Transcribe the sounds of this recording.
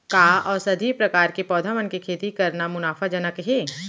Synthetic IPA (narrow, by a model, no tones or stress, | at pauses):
kaːɔːɾsɐd̪ʱipɾɐkaːɾkepɔːd̪ʱamənkekʰeːt̪ikɐɾnamʊnaːfʰad͡ʒɐnəkɦeː